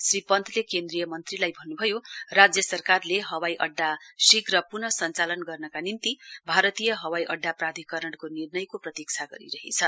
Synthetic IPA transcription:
sripʌnt̪ʰlekend̪rijʌmʌnt̪rilajbʱʌnːubʱʌjorad͡zjʌsʌrkarleɦʌwajʔʌɖːasikrʌpurnʌsʌnt͡salʌnɡʌrnʌkanint̪ibʱaɾʌt̪ijʌɦʌwajʔʌɖːaprad̪ʱikʌɾʌɽkonirnʌjkoprʌt̪ik̚t͡sʰaɡʌɾḭɾʌɦit͡sʰʌ

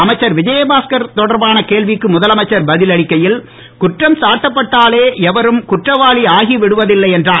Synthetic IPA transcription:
ɐmɐɪt͡ʃːɐɾʋɪd͡ʒɐjebaːskɐɾt̪ɔɽɐɾbaːnɐkeːɭʋɪkːɯmʊðɐlɐmɐɪt͡ʃːɐɾbɐðɪlɐɭɪkːɐjɪl | kʊʈrɐmsaːʈːɐpːɐʈːaːleːɛʋɐɾɯmkʊʈrɐʋaːɭiaːɣiʋɪɽɯʋɐðɪlːɐɪɛndraː

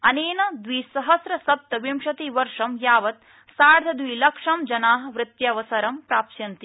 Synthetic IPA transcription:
ɐneːnɐd̪ʋiːsɐɦɐsɾɐsɐp̚t̪ɐʋimʃɐt̪iʋɐɾʂɐmjaːʋɐt̪̚ | saːɾd̪ʱɐd̪ʋilɐkʂɐmd͡ʒɐnaːɦɐ̆ʋɾɪt̪jɐːʋɐsɐɾɐmpɾaːpʃjɐnt̪i

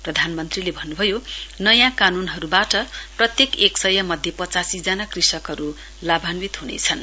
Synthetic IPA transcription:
prʌd̪ʱanmʌnt̪rilebʱʌnːubʱʌjonʌjãkanunɦʌɾubaʈʌprʌt̪jekeksʌjʌmʌd̪ʱjepʌt͡sasid͡zanakrisʌkɦʌɾu | labʱanwit̪ɦunḛt͡sʰʌn

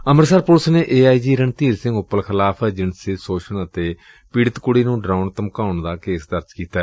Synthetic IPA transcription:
əməɾsəɾpʊlsneːʔeːaːiːd͡ʒiːɾənt̪iːɾsɪ̃ŋɡʊpːəlkʰɪlaːpʰɛd͡ʒɪɳsɪsoːʃʰəɳət̪eː | piːɽɪt̪kʊɽiːnũːɖɾaːʊɳt̪əmkaːʊɳd̪aːkeːsd̪əɾd͡ʒkiːt̪aːɛ

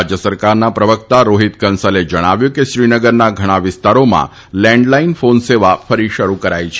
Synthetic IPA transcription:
d͡ʒjəsəɾkaɾnapɾəʋəkt̪aɾoɦit̪kənsəled͡ʒəɽ̃aʋjũkeʃɾinəɡəɾnaɡʱəɽ̃aʋɪst̪aɾomã̰ | lɛ̃ɳɖlainfonseʋafəɾiʃəɾukəɾajt͡ʃʰ

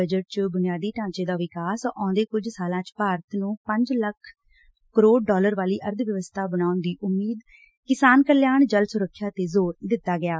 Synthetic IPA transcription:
əd͡ʒəʈ̚t͡ʃbʊnɪjaːd̪iːʈãːt͡ʃeːd̪aːʋɪkaːsʔãːd̪eːkʊd͡ʒsaːlãːt͡ʃpaːɾət̪nũːpəɲd͡ʒləkʰ | kəɾoːɖɖɔːləɾʋaːliːʔəɾd̪ʋjəʋəst̪ʰaːbənaːʊnd̪iːʔʊmːiːd̪ | kɪsaːnkəljaːɳd͡ʒəlsʊɾəkʰːjaːt̪eːzoːɾd̪ɪt̪ːaːɡɪjaː

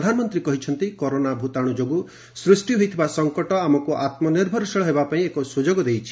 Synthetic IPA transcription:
d̪ʱanɔmɔnt̪ɾikɔɦit͡ʃʰɔnt̪ikɔɾonabʱut̪aɽ̃ud͡ʒoɡu | sɾisʈiɦojt̪ʰibasɔŋkɔʈɔamɔkuʔat̪mɔniɾbʱɔɾɔsɔɭɔɦebapaĩekɔsud͡ʒoɡɔd̪ejt͡ʃʰi̥

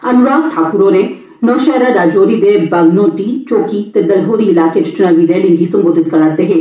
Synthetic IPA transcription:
ɐnʊɾaːkʈʰaːkʊɾoɾe | nɔːʃɛːɾaɾaːd͡ʒoːɾid̪ebaɡnõːʈiːt͡ʃoːkit̪ed̪ɐlɦoːɾiɪlaːket͡ʃʰɪ̥t͡ʃnaːʋiɾeːlɪ̃ŋɡisɐ̃mboːd̪ʱɪt̪̚kɐɾat̪eɦẽː

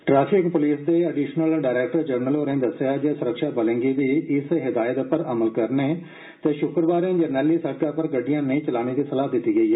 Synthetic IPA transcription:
ʈɾaːpʰɪkpʊliːsd̪eːəɖiːʃnəlɖaːɾɛːk̚ʈəɾd͡ʒəɾnəlɦoːɾẽːd̪əsːjaːd͡ʒeːsʊɾəkʃaːbəlẽːŋɡiːʋiːɪsɦɪd̪aːjət̪pəɾəməlkəɾneː | t̪eːʃʊkɾbaːɾãːd͡ʒənɛːlːiːsəɖ̚kãːpəɾɡəɖːijãːnəĩːt͡ʃəlaːɽ̃iːd̪iːsəlaːɦd̪ɪt̪ːiːɡəiːɦɛː

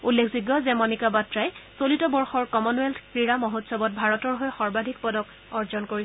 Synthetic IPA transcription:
ulːekʰziɡːɔzɛmɔnikabatɹajsolitɔbɔɹxɔɹkɔmɔnuɛlkɹiɹamoɦotsɔbɔt̚bʱaɹɔtɔɹɦojxɔɹbadʱikpɔdɔk | ɔɹzɔnkoɹi

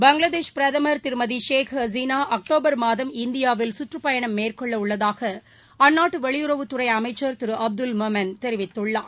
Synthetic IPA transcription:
bɐŋɡɭɐðeːʃpɪɾɐðɐmɐɾt̪ɪɾmɐðiʂeːkʰɐziːnaːʔɐk̚ʈoːbɐɾmaːðɐmɪnd̪ɪjaːʋɪlsʊʈrɯpɐjɐɳɐmːeːrkɔɭːɐʊɭːɐðaːɣɐ | ɐnːaːʈːɯʋɐɭɪjʊrɐʋɯt̪ːʊrɐɪɐmɐɪt͡ʃːɐɾt̪ɪɾɯʔɐb̚d̪ɯlmɐmɐnt̪ɛɾɪʋɪt̪ːɯɭːaː

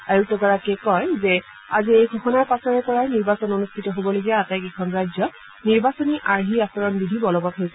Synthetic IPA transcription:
ajuktɔɡɔɹakɛkɔjzɛ | aziejɡʱɔxɔnaɹpasɔɹɛpɔɹajniɹbasɔnonustʰitɔɦobɔloɡiaatajkɛkʰɔnɹazjɔ | niɹbasɔniʔaɹɦiasɔɹɔnbidʱibɔlɔbɔtɦojsɛ

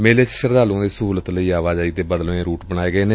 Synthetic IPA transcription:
meːleːt͡ʃʃəɾd̪aːlõːd̪eːsəɦuːlət̪ləiːaːʋaːd͡ʒaːiːt̪eːbəd̪əlʋẽːɾuːʈbəɽ̃aːeːɡəeːnẽː

